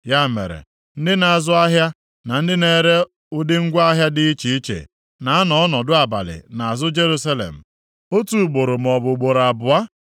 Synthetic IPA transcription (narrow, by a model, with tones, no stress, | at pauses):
ja˦mḛ˨ɾḛ˨ | n̩˦dɪ˦na˨a˨zʊ˦a˦ɦja˦ | na˨n̩˦dɪ˦ne˨ɾe˦ | ʊ˦dɪ˦ŋ̩˦ɡʷa˦ɦja˦dɪ˦i˦t͡ʃi˨i˦t͡ʃḛ˨ | na˨a˦nɔ˦ɔ˦nɔ˨dʊ˦a˨ba̰˨lɪ̰˨na˨a˨zʊ˦d͡ʒe˦ɾu˦sa˦lḛ˨m̩˨ | o˦tu˨ɡ͡bo˨ɾʊ˨m̩˨ɔ˨bʊ˨ɡ͡bo˨ɾa˨bʊ˨a˦